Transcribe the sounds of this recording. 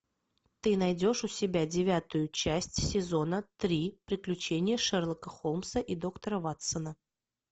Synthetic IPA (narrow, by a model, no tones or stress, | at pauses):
t̪ɨnɐjdʲo̞ʂʊsʲɪbʲadʲɪvʲæt̪ʊjʊt͡ɕæsʲtʲsʲɪzo̞nət̪ɾʲipɾʲɪklʲʉt͡ɕenʲɪjəʂɛrlˠəkəxolˠmsəʔid̪o̞kt̪əɾəvat̪sənə